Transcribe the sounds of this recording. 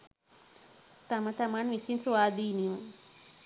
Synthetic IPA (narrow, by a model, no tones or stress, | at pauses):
t̪amɐt̪amanʋisinswaːd̪iːniju